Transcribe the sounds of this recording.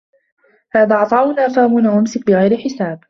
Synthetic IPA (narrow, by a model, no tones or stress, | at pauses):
haːðaːʕɑt̪ˤɑːʊnaːfaːmʊnawʔʊmsɪk̚bɪɣajɾɪħɪsaːb